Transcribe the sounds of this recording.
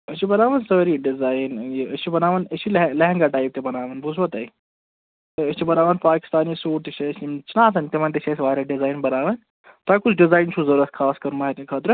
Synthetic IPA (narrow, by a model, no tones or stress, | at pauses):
ət͡ʃʰibɐnaːʋɐnsɐɾiɖizaːiniɐt͡ʃʰibɐnaːʋɐnɐt͡ʃʰillɐɦɛ̃ŋɡaʈaːip̚t̪ebɐnaːʋɐnbʱusʰʋɐt̪ɐi | t̪ɐɐst͡ʃʰibɐnaːʋɐnpaːki̥st̪aːnisuːʈt̪it͡ʃʰesmt͡ʃʰinaːt̪ʰɐnʲt̪eʋɐnt̪et͡ʃʰɐsʲʋaːɾʲaɖizaːinbɐnaːʋɐn | t̪aːkut͡ʃʰɖizaːjnt͡ʃʰuzɐɾuɾɐt̪̚ʰkʰaːskɐɾmɐɦɐt̪ikʰɐt̪ɾɨ